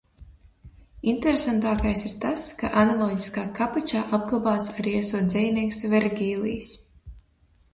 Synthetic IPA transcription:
int̪eɾesant̪aːkajsiɾt̪askaʔanalˠɔːɟi̥skaːkapat͡ʃaːʔab̚ɡlˠabaːt̪saɾiɛsuɔt̪zʲɛjnʲiɛksvɛɾɡʲiːlˠiːs

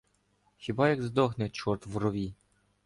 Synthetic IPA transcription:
xʲibɑjɐɡzd̪ɔxnɛt͡ʃɔrt̪ʋrɔʋʲi

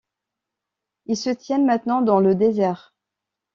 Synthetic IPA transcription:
ilsət̪jɛmɛ̃t̪nɑ̃d̪ɑ̃ləd̪ezɛʁ

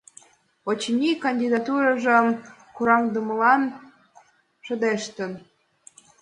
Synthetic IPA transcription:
ot͡ɕnʲikɑnʲd̪ʲid̪ɑt̪uɾɑʒə̆mkuɾɑmd̪ə̆məlɑn | ʃə̆d̪eʃt̪ə̆n

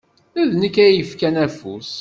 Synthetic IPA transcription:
æðnəkːæjəfkænæfṵs

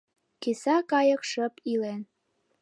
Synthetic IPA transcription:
kesɑkɑjə̆kʃəpilen

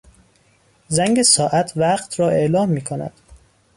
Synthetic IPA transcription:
zæŋɡesɒːʔæt̪ʰvæɢt̪ʰɾɒːe̞ʔlɒːmːiːkʰonæ̰d̪̥

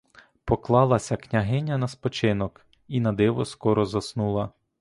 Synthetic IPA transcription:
pɔklˠɑlˠɐsʲɐknʲɐɦɪnʲːɐnɐspɔt͡ʃɪnɔk | inɐd̪ɪʋɔskɔɾɔzɐsnulˠɐ

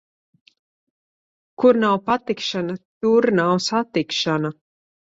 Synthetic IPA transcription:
kuɾnawpat̪ikʃanat̪uɾnawsat̪ikʃana

